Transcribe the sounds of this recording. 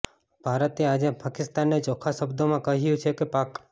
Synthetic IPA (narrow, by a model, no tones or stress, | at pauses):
b̥ʱaɾət̪ead͡ʒepakɪst̪anːet͡ʃɔkʰaʃəbd̪omãkəɦjũt͡ʃʰekepak